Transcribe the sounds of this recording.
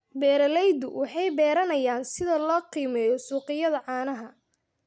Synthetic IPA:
bɛːɾɐlɛjd̪ʊwʔɑħɑjbɛːɾɐnɐjaːnsɪðɐlɔːqiːmɛːjɔsuːqɪjɐðɐʕɑːnɐɦɐ

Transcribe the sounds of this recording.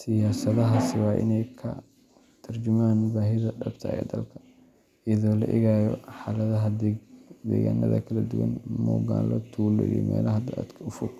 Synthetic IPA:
sɪjaːsɐðɐɦasɪwɑːʔɪ̰nɛjkʰɐ̰ | t̪ʰɐrd͡ʒɪmaːnbaːɦɪðɐɖɐbt̪ʰɐ̰ɛ̰ːd̪ɐlkʰɐ̥ | ɪjɐðɔːlɐ̰ʔɪɣaːjɔħɑlɐðɐɦɐ | d̪ɛ̰ːɣa̰ːnʔɐ̰ðɐ̰kʰɐlɐd̪ʊwɐnmɔːɣa̰ːlɔt̪ʰuːlɔ̰ḭmɛ̰ːlɐɦɐd̪ɐʔad̪kʰɐʊfʊɡ̚

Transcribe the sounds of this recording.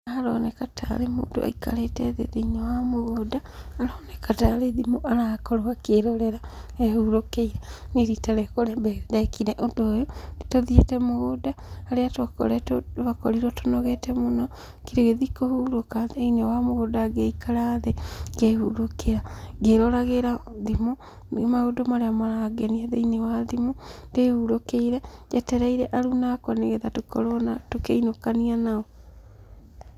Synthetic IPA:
aaɾonekatʰa̰ɾemṵːdo̰ʔa̰ika̰leteðḛðeiɲowamoɣodaːɾonekataɾeðimoʔaɾakoɾoakeɾoɾeɾaehuɾokeiɾa | niɾitaɾekoɾebedekineʔodoːjoitoðietemoɣodaːɾeatwako̰ɾetoβakoɾiɾotonoɣetemuno | kiɾeɣeðikohuɾokaðinɛwamoɣodaɡeikʰaɾaːðeɡehuɾokeaɡeɾɔɾaɣeɾaðimo | maodomaɾeamaɾaɡɛniaðḛinewaðimodehuɾokeiɾɛjɛtɛɾaiɾɛʔaɾunakwaneɣeðatokɔɾɔnatokeinokanianaɔ

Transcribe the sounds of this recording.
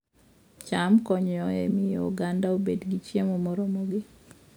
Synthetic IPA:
t͡ʃamkɔɲjɔɛ̰mɪjo̰ɡandaobedɡit͡ʃjemɔmɔɾɔmɔɡi

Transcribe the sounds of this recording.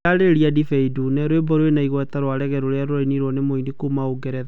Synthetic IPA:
aɾeɾiadifɛidunɛɾowebɔɾowenaiɣwɛtaɾwaɾɛɣɛɾoɾeaɾoɾainiɾwɔnemoinikumaoɡɛɾɛða

